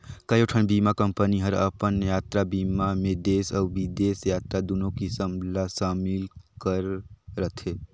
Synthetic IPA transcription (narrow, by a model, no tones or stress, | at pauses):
kəjoʈʰənbimakəmpəniɦəɾə̰pənjat̪ɾabimamed̪esəubid̪esjat̪ɾad̪unokisəmlasamilkəɾːət̪ʰe